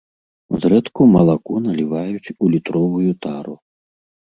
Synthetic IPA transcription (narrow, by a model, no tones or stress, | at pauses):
zɾɛt̪kumɐlˠakunɐlʲivajut͡sʲulʲit̪ɾɔvujut̪aɾu